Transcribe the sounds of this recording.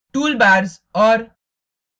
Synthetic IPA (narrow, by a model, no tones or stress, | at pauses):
ʈulbaɾz | ɔɾ